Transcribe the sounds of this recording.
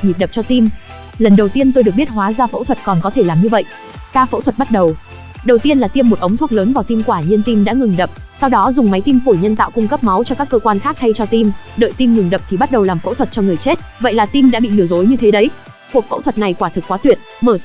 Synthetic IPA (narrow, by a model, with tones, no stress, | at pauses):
ɲi˨˩ɗə˨˩p̚t͡ɕɔ˧t̪i˧m | lə˨˩nɗə˨˩wt̪i˧ənt̪o˧jɗɨ˨˩ək̚ɓət̚ɦwaː˨˦zaː˧fə̰˧˥wt̪ʰwə˨˩t̚kɔ˨˩nkɔ˨˦t̪ʰe˧˩laː˨˩mɲɨ˧və̰˧˨jʔ | kaː˧fə̰˧˥wt̪wə˨˩ɓa˦˥t̚ɗə˨˩w | ɗə˨˩wt̪i˧ənlaː˨˩t̪i˧mːo˨˩t̚ʔə˨˦ŋ͡mt̪ʰu˦˥ək̚ləː˨˦nvaː˨˩wt̪i˧mkwaː˧˩ɲi˧ənt̪i˧mɗa̰ː˧˥ŋɨ˨˩ŋɗə˨˩p̚ | sa˧wɗɔ˨˦zʊ˨˩ŋ͡mma˨˦jt̪i˧mfu˧˩ɲə˧nt̪a̰ː˧˨wkʊ˧ŋ͡mkə˦˥p̚ma˨˦wt͡ɕɔ˧kaː˦˥kːəː˧kwaː˧nxaː˦˥k̚ha˧jt͡ɕɔ˧t̪i˧mɗə̰ː˧˨jt̪i˧mŋɨ˨˩ŋɗə˨˩p̚t̪ʰi˨˩ɓa˦˥t̚ɗə˨˩wlaː˨˩mfə̰˧˥t̪ʰwə˨˩t̚t͡ɕɔ˧ŋɨ˨˩əjt͡ɕe˦˥t̚və̰˧˨jlaː˨˩t̪i˧mɗa̰ː˧˥ɓḭ˧˨nɨ˧˩əzo˨˦jɲɨ˧t̪ʰe˨˦ɗə˨˦j | ku˨˩ək̚fə̰˧˥wt̪wə˨˩t̚na˨˩jkwaː˧˩t̪ʰɨ˨˩kːwaː˨˦t̪wi˨˩ət̚məː˧˩